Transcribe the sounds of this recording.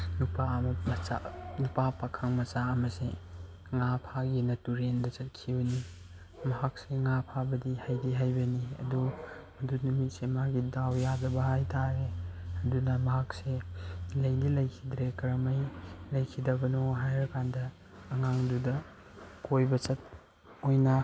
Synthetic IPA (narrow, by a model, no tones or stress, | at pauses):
nupamma̰nupapakʰɐŋmɐt͡ʃaɐmɐsḛ | ŋapʰaɡinɐtuɾendɐt͡ʃɐt̚kʰibɐni | mɐɦak̚seŋapʰabɐdihajdiɦajbɐniɐ̰du | ɐdunumit̚semaɡidawjazɐbɐɦajtʰaɾeɐdunɐmɐɦak̚selɐjdilɐjkʰidɾekɐɾɐmɐjlɐjkʰidɐbɐnoɦajɾɐkʰandɐː | ŋaŋdudɐ | kojbɐt͡ʃɐt̚ | ojnɐ